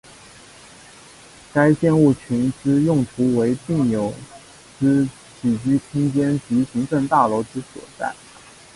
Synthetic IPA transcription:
ka˥ɪt͡ɕjɛ˥˧nu˥˩t͡ɕʰy˧˥nʈ͡ʂɻ̩˥jʊ˥˩ŋt̪ʰu˧˥we˧˥ɪti˥˩ŋjo˨˩ʊ | ʈ͡ʂɻ̩˥ | t͡ɕi˨˩t͡ɕy˥t̪ʰi˥ŋt͡ɕjɛ˥nt͡ɕy˧˥ɕi˧˥ŋʈ͡ʂə˥˧nt̪a˥˩lo˧˥ʊʈ͡ʂɻ̩˥swɔ̰˨˩t͡sa̰˥˩ɪ

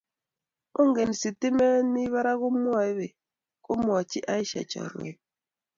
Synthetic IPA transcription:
o˦ŋ˦ɡe˨n˨si˨ti˦me˦mi˦βa˦ɾa˦ɣʊ˦mu˦a˨i˦be˨ | ko˦mo˨a˨t͡ʃi˦ʔa˦i˦ʃa̰˨t͡ʃa̰˨ɾo̰˨˦

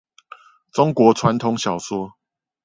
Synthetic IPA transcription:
t͡sʊ˦ŋkwɔ˨˦t͡sʰwa˨˦nt̪ʰʊ˧˦ŋɕjɑ˨˩ʊswɔ˥

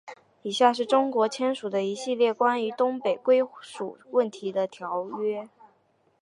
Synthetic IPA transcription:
i˨˩ɕja˥˧ʂ̬ɻ̩˥˩ʈ͡ʂʊ˥ŋkwɔ˧˥t͡ɕʰjɛ˥nʂu˨˩d̪ə˦i˧˥ɕi˥˧ljɛ˥˩kwa˥ny˧˥t̪ʊ˥ŋpe˨˩ɪkwe˥ɪʂu˨˩wə˥˩nt̪ʰi˧˥d̪ə˧t̪ʰjɑ˧˥ʊɥɛ˥

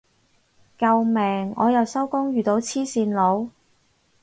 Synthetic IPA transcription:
kɐ˨˧wmɛː˨˩ŋɔ̰ː˨˧jɐ˨˩wsɐ˥wkʊ˥ŋjyː˨˩t̪o˨˧wt͡sʰiː˥siː˧nlo˨˧w

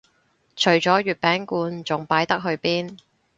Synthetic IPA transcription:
t͡ʃʰɵ˨˩ɥt͡ʃɔː˨˥ɥyː˨˩t̚pɛː˨˥ŋkuː˧nt͡sʊ˨˩ŋpaː˨˥jt̪ɐ˥k̚ɦɵ˧ɥpiː˥n

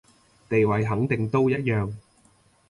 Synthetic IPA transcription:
t̪e˨jwɐ˨˩jɦɐ˨˥ŋt̪ɪ˨ŋt̪o˥wjɐ˥t̚jœː˨˩ŋ

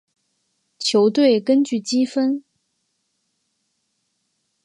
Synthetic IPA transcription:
t͡ɕʰjo˧˥ʊt̪we˥˩ɪkə˥nt͡ɕy˥˩t͡ɕi˥fə˥n

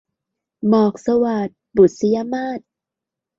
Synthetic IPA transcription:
mɔː˨˩k̚sa˧waː˨˩t̪̚bu˨˩t̪̚si˧ja˧maː˥˩t̪̚

